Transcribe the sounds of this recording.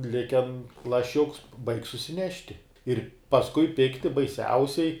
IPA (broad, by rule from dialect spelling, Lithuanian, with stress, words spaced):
ˈlʲɪkʲɛn lˠɐˈʃʲʊks bɐɪkʲ sʊsʲɪˈnʲæːʃʲtʲɪ ɪr pɐsˈkʊɪ ˈpʲɪktʲɪ bɐɪˈsʲɛʊsʲɛɪ